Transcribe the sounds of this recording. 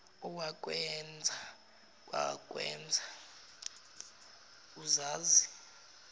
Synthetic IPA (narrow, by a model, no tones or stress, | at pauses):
uwak̬ʼwɛnd͡zʱa | kʼwa̰kʼwɛ̰ːnd͡zʱa | uzaːzi